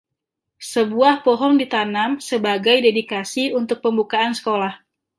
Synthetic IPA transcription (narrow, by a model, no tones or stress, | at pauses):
səbuahpɔɦɔndit̪anamsəbaɡajdedikasiunt̪ʊk̚pəmbukaansə̥kolah